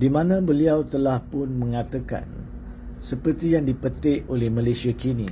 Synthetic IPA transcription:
dimãnãbəliawt̪əlahpʊnmə̃ŋãt̪aka̰n | səpərt̪ijaŋdipət̪ɪʔolɛhmãlasiakinĩ

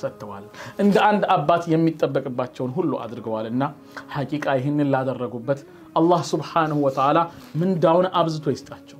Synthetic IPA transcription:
sət̪ʰːəwa̰lʔɨnd̪əʔand̪abːat̪jɛmːit̪ʼːəbːəkʼɨbːat͡ʃːɛwnɦulːuʔa̰d̪ɨɾɨɡəwalɨnːa | hakʼikʼajɪɦɪnːɨnlad̪ərːəɡubːət̪ | ʔalːahsubħanəhuwɔt̪ʰəʕala | mɨnd̪awnaβzɨt̪ʰojɪst̪ʼat͡ʃːɛw

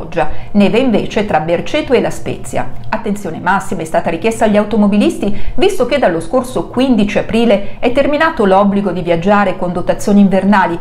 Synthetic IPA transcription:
ɔd͡ʒːanɛːveiɱveːt͡ʃet̪ɾabert͡ʃɛt̪ːoelaspɛ̰ːt̪sːja̰at̪ːent̪sjoːnemasːimaɛst̪aːt̪aɾikjɛst̪aʎːiawt̪omobilist̪ivist̪ok̟ed̪alːoskorsokwind̪it͡ʃiapɾiːleɛt̪ːerminaːt̪olɔbliɡod̪ivjad͡ʒːaːɾekond̪ot̪at̪sːjoːniːɱvernaːli

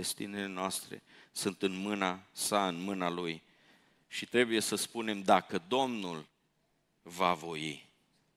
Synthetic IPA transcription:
est̪inele̞noast̪ɾḛsɨnt̪ɨnmɨnasaɨnmɨnaluj | ʃit̪ɾe̞buje̞səspune̞md̪akəd̪o̞mnul | vavo̞jḭ

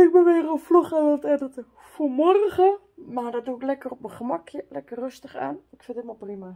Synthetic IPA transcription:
ɪk̚bəʋeːrəoflɔχɛʋɪlˠtɛdətə | fumɔrɣə | madɔt̚duɪklɛkərɔp̚məχəmakʰjəlɛkərːøstəχa̰ːnɪkfɪndɪtmalprima

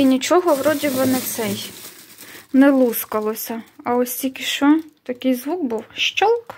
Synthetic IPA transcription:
inʲit͡ʃɔɦɔʋɾɔdʲibɪnɛt̪sɛj | nɛlˠuskɐlˠɔsʲɐɐɔsʲtʲikʲɪʃt͡ʃɔt̪ɐkɪjzʋukbuwʃt͡ʃɔlˠk

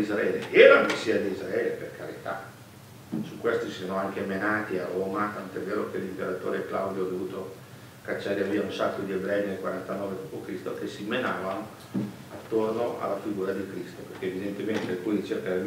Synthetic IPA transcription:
izɾaɛːlḛʔelamesːiːad̪iizɾaeːleperkʰaɾḭt̪a̰ | sukwest̪isanoaŋkemenaːt̪ia̰roːmat̪ant̪oɛvːeːɾok̟elːimpeɾat̪o̰ːɾekla̰wd̪joad̪ovuːt̪o | kat͡ʃːaːɾeviːaunsakːod̪iebɾɛinelkwaɾant̪anɔːved̪ɔpokɾist̪okesːimenaːvano | at̪ːornoʔa̰lːafiɡuːɾad̪ikɾist̪operkeevid̪ent̪ement̪ekunt͡ʃerkae

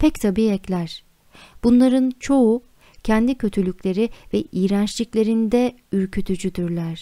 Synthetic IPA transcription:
pʰɛct̪ʰabiɛclʲæɾ̥ | b̥unlˠaɾɯnt͡ʃʰo̞u | cʰɛnd̪icʰø̞t̪ʰylʲycʲlʲe̞ɾivɛʔijɾænt͡ʃlʲiclʲe̞ɾind̪ɛ | yɾcʰyt̪ʰyd͡ʒyd̪yɾlʲæɾ̥

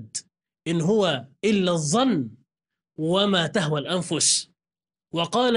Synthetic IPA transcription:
d̪ | ʔɪnɦʊwaʔɪlːaðˤːɑnː | wamaːt̪aɦwalʔanfʊs | wɑqɑːl

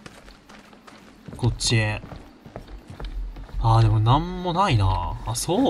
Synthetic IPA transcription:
ko̞t͡ɕːie | aːd̪e̞mo̞nãmːo̞nainaːsoː

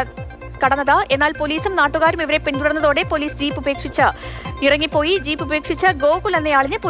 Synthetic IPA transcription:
kɐɽɐnːɐðaʔe̞nːaːlpo̞liːsumnaːʈːuɣaːɾumiʋɐɾe̞pind̪uɽɐnːɐðo̞ːɽe̞po̞liːsd͡ʑiːpːube̞ːkʂit͡ɕːɨirɐŋːipːo̞ːjid͡ʑiːpːube̞ːkʂit͡ɕːɨɡo̞ːkulenːejaːɭiɲːɨpo

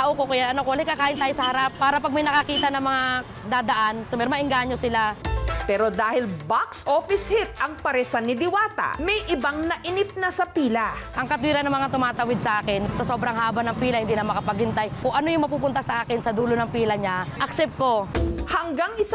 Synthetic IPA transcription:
aʔokokɐjaʔɐnokoɐlɪkːakaːʔɪnt̪aːjosɐhɐɾapːaːɾɐpɐɡ̚mɐjnɐkakiːt̪ɐnɐŋmɐŋa | d̪aːd̪ɐʔant̪ʊmɛɾmɐʔɪŋɡaːɲosɪlapɛːɾod̪aːhɪlbaksʔofɪshɪt̪̚ɐŋpɐɾɛsanːɪd̪ɪwaːt̪ɐ̰mɛjʔɪbaŋnɐʔɪnɪp̚nasɐpiːlɐʔɐŋkɐt̪wiːɾɐnːɐŋmɐŋat̪ʊmaːt̪ɐwɪd̪̚sɐʔaːkɪnsɐso̞ːbɾɐŋhaːbɐnɐŋpiːlɐhɪnd̪iːnɐmɐkɐpɐɡhɪnt̪ajkʊŋʔɐnojʊŋmɐpuːp̬ʊnt̪asɐʔaːkɪnsɐd̪uːlonɐŋpiːlɐɲaʔɐksɛp̚t̪̚ko̞hɐŋɡaŋɪs

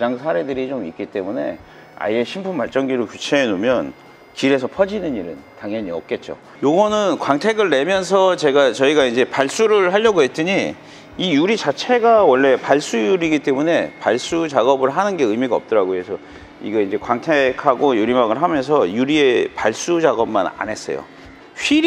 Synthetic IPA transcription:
d͡ʑaŋsʰaɾe̞dɯɾit͡ɕomik͈it͈e̞mune̞ | a̰ie̞ɕʰimpʰumpaɭt͡ɕ͈ʌŋɡiɾokjut͡ɕʰe̞ːnomjʌn | kiɾe̞sʰʌpʰʌd͡ʑinɯnɲiɾɯntaŋjʌɲiʌp̚k͈e̞t̚t͡ɕ͈o̰ | joɡʌnɯnkwaŋtʰe̞ɡɯɭːe̞mjʌnsʰʌt͡ɕe̞ɡat͡ɕʌiɡaind͡ʑe̞paɭs͈uɾɯɭɦaʎːjʌɡoɦe̞t͈ɯɲi | ijuɾit͡ɕat͡ɕʰe̞ɡawʌɭːe̞paɭs͈ujuɾiɡit͈e̞mune̞paɭs͈ut͡ɕaɡʌbɯɭɦanɯnɡe̞ɯmiɡaʌp̚t͈ʌɾaɡoɦe̞sʰʌ | ḭɡeind͡ʑe̞kwaŋtʰekʰaɡojuɾimaɡɯɭɦamjʌns̬ʰʌjuɾie̞paɭs͈ut͡ɕaɡʌb̚ma̰na̰nɦe̞s͈ʌ̰jo̰ | ɸiɾ

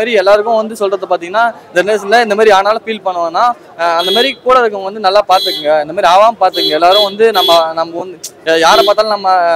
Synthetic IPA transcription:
aːɾiɛlːaːɾɯkːʊ̃ʋɐnd̪ɯsɔlrɐðːɐpaːɾt̪iːŋɡɐnːaːɪnd̪ɐneːs̬lːɐɪnd̪ɐmaːɾiaːnaːlɐfiːlpɐɳːɯʋãnːaː | ɐnd̪ɐmaːɾikːuːɽɐðɯkːʊʋɐnd̪ɯnɐlːaːpaːɾt̪ɯkːɯŋɡɐɪnd̪ɐmaːɾiaːʋaːmpaːɾt̪ːɯkːɯŋɡɐɛlːaːɾɯʊ̃ʋɐnd̪ɯnɐmːɐnɐmːɐɐnd̪ɯjaːɾɐpaːɾt̪ːaːlɐnɐmːɐ

